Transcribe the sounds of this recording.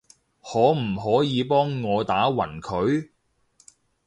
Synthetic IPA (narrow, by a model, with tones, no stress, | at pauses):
hɔː˨˥m̩˨˩ɦɔː˨˥jiː˨˧pɔː˥ŋːɔː˨˧t̪aː˨˥wɐ̰˨˩nkʰɵ˨˧ɥ